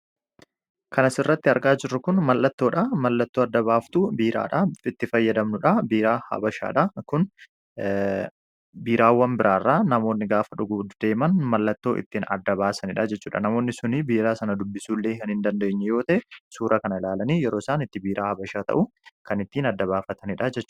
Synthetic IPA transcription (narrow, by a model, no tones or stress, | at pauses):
kʰɐnɐsɪrːɐt̪ːɪɐɾɡaːd͡ʒɪrːʊkʊnmɐlːɐt̪ːo̞ːᶑɐmɐlːɐt̪ːoːɐd̪ːɐβaːft̪ubiːɾʔa̰ːᶑɐɪt̪ːɪfɐjːɐd̪ɐmnʊᶑɐbiːɾaːhɐ̰bɐʃa̰ːᶑɐkʊn | biːɾaːwːɐmbɪɾʔaːrːaːnɐmoːnːɪɡaːfɐᶑʊɡud̪d̪̥e̞ːmɐnmɐlːɐt̪ːo̞ːʔɪ̰t̪ːiːnɐ̰d̪ːɐbaːsɐnɪᶑɐd͡ʒɛt͡ʃːuːᶑɐ̰nɐmo̞ːnːɪsʊnibiːɾaːsɐnɐd̪ʊbːɪsuːlːeːkɐnhɪnd̪ɐnd̪ɐɪɲːɛjo̞ːt̪ɐʔɛsuːɾʔɐkɐnɐlaːlɐniːjɛɾo̞ːsaːnɪt̪ːɪbiːɾʔaːhɐbɐʃaːt̪ɐ̰ʔukɐnɪt̪ːiːnɐd̪ːɐβaːfɐt̪ɐnɪᶑɐd͡ʒɛt͡ʃː